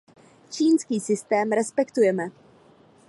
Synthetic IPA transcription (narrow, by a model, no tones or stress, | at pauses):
t͡ʃiːnskiːsɪst̪ɛːmɾɛspɛkt̪ujɛmɛ